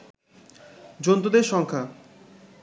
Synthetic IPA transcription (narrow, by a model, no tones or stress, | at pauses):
d͡ʑont̪od̪eɾʃɔŋkʰa